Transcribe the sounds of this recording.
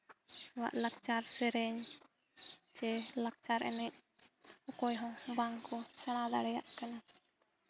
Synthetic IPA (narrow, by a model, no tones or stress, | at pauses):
ɛwa̰ʔlak̚t͡ʃaɾsɛɾɛɲ | t͡ʃɛlak̚t͡ʃaɾʔɛ̰nɛc̚ɔkɔjɦɔ̃ŋbaŋkɔsaɽ̃ad̪aɽɛja̰ʔkana